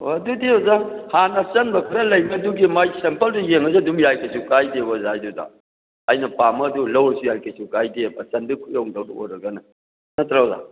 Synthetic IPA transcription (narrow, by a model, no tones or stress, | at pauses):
oɐdudiozaŋhanɐsɐnbɐkʰɐɾɐlɐjmɐduɡimajsempɐlsujeŋɐs̬iɐdumjajkʰɐsukajdebɐzajduda̰ | ɐjnɐpamɐdulɐwɾɐsujajkʰɐsukajdebɐsɐndikʰujowŋdawduo̰jɾɐɡɐnɐ | nɐt̪ɾabza̰